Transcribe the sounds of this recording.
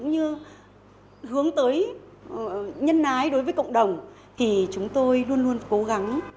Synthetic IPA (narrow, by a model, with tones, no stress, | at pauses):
kʊ̰˧˥ŋ͡mɲɨ˧ | hɨ˨˦əŋt̪əː˨˦j | ɲə˧nːaː˨˦jɗo˨˦jvəː˨˦jkə̰˧˨wŋ͡mɗə˨˩wŋ͡m | t̪ʰi˨˩t͡ɕʊ˨˦ŋ͡mt̪o˧jlu˧ənlu˧ənko˨˦ɣa˨˦ŋ